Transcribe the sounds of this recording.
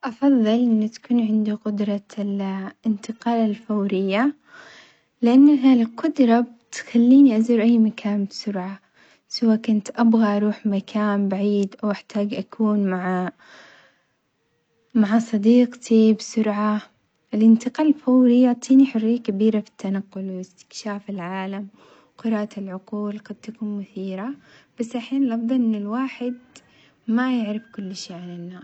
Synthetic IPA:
ʔɑfɑðˤːɨlʔɪnːt̪ḁkuːnʕɪnd̪uqʊd̪ɾˤɑlɪnt̪ɪqɑːlalfawɾɪjːa | lɪʔanːaɦalqʊd̪ɾˤɑbt̪xalːiːniʔaziːɾʔajːmakʰaːnbsʊɾʕa | sawaːkʊnt̪ʔabɣaʔɑɾˤuːħmakʰaːnbaʕiːd̪ʔawʔaħt̪ʰaːɡʔakʰuːnmaʕa | maʕasˤɑd̪iːqt̪ʰibsʊɾʕa | ʔɪlʔɪnt̪ɪqɑːlfawlijʊʕt̪ˤʰiːniħʊrːijːakabiːɾafi̥t̪ːanaqːʊlwɪst̪ɪ̥kʃaːfɪlʕaːlam | qʊɾɑːʔɪlʕʊquːlɡad̪̚t̪akuːnmʊθiːɾab̥asːʔaħeːnɪlʔɑfd̪ˤɑlʔɪnːɪlwaːħɪd̪ | majɪʕɾɪfkʊlːʃeːʕanɪnːaːs

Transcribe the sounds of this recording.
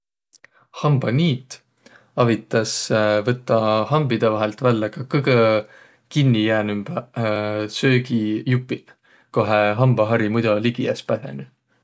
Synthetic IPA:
hɑmb̥ɑniːt̪ˑ | ɑvit̪ːˑɑsvɤt̪ːˑɑhɑmbid̪̥evɑɦelt̪vælːekɑkɤɡə | kinːijæːnymb̥æ | søːɡijupːˑil | ko̞ɦeɦɑmb̥ɑɦɑɾimujd̪̥ɑliɡ̥iɑspæsḛny

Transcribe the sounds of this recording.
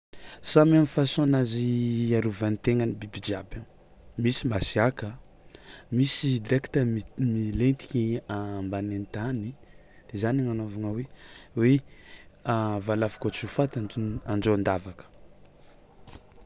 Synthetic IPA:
samamifasonaziaɾuvanit̪eŋənibibid͡ʒiabə | misimasiakə | misid̪ɾekt̪əmmilent̪i̥kiambanent̪ani | d̪̥ezaniŋanovaŋəwewe | avalafḁkot͡sufat̪aand͡ʒoand̪avakə̥

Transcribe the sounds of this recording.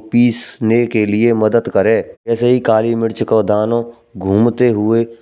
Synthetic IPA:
piːsneːkelɪeməd̪əd̪kəɾẽːɛːseɦikaːliːmɪɽt͡ʃkoːd̪aːnõː | ɡʱuːmt̪eɦʊeː

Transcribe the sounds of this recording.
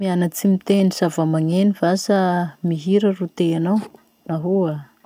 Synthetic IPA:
mianat͡simit̪enisavamaŋenivasamiɦiɾarut̪eanaw | naɦua

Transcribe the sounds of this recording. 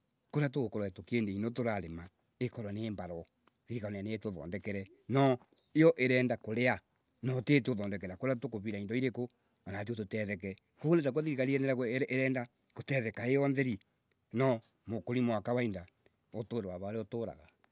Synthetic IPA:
koɾat̬ookɔɾwaetokeːndeinotoɾaɾema | ekɔɾwaneːmbaɾɔ | ðiɾikananetoðɔ̰ndɛkɛɾɛ | nɔ | eɔʔeɾɛːndakoɾea | nɔtetoðɔndɛkɛɾakoɾatokoβiɾaindɔiɾeko | anat̬iototɛðɛk̬ɛ | koonetak̬aðiɾikaɾienɛɾakeɾɛːnda | kotɛðɛkaeɔnðɛɾi | nɔ | mokoɾimoakawainda | otoːɾewaβaoɾeotoɾa̰ɣa

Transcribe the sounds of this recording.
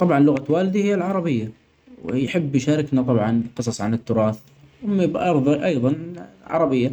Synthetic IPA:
t̪ˤɑbʕɑnlʊɣawaːlɪd̪ihɪjːalʕɑɾˤɑbɪjːa | wjħɪbːjʃaːɾˤɪknat̪ˤɑbʕɑnqɨsˤɑsˤʕanɪt̪ːʊɾˤɑːθ | mabʔɑɾˤðˤɑʔɑjðˤɑnʕɑ̰ɾˤɑbɪjːa

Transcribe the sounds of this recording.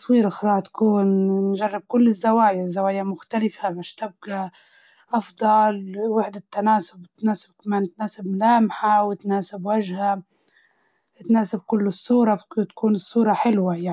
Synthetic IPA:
t̪ɑsˤwiːɾʔɪxɾˤɑːʕt̪ḁkuːnnʒarˤːɪb̚kʊlːɪzːawaːjzːawaːjamʊxt̪alɪfabaʃt̪ɪb̚ɡa | ʔɑfd̪ˤɑlwɪħd̪at̪ːanaːsʊbɪt̪naːsɪb̚kamaːnt̪naːsɪbmlaːmħawɪt̪naːsɪbwaʒha | ɪt̪naːsɪb̚kʊlːɪsˤːuːɾˤɑt̪kuːnɨsˤːuːɾˤɑħɪlwajaʕ

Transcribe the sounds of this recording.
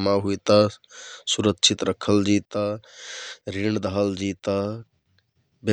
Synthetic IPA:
maɦujt̪asuɾəkt͡ʃʰit̪ɾəkʰəld͡ʒit̪a | ɾiɳd̪əɦəld͡ʒit̪a | be

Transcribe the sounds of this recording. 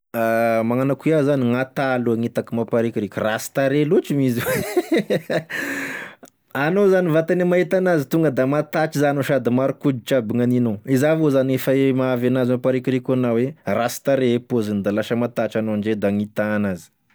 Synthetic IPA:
amaŋanakiazaniŋat̪aluaŋit̪akimapaɾikʲiɾikʲurasi̥t̪aɾelut͡ʃimiziwe | anozanivat̪animait̪anazit̪uŋɡəd̪amat̪at͡ʃizanoʃad̪imaɾukud͡ʒ̪it͡ʃabiŋaninoizavozaniefaemaavanazimapaɾikʲiɾikʲanawerasi̥t̪aɾepozinid̪alaʃəmat̪at͡ʃanoaɳɖ͡ʐed̪aŋit̪anazi̥

